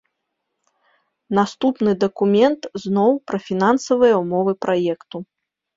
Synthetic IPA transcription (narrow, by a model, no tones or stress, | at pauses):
nast̪upnɨd̪ɐkumʲɛnt̪znɔwpɾɐfʲin̪ansɐvɨjɐwmɔvɨpɾʔajɛkt̪u